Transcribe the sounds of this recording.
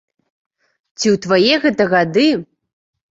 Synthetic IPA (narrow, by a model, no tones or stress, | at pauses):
t͡sʲiwt̪vajɛɣɛt̪ɐɣad̪ɨ